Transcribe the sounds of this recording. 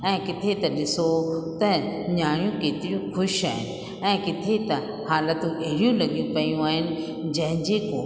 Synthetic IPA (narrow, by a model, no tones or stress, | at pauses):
ɛ̃ːkɪt̪ʰet̪ɐɗɪsot̪ɐɲaːɽ̃jũkeːt̪ɪɾijũxʊʃaːɦɪnɪ̆ | ɛ̃ːkɪt̪ʰet̪ɐ | haːlət̪ũʔɐɦɪɽijũlɐɠijũpɐijũaːɦɪnɪ̆ | d͡ʑɐ̃ɦɪ̃ɲd͡ʑeko